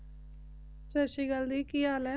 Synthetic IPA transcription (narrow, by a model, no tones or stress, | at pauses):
t͡ʃəʃiːɡəld̪iːkiaːlɛː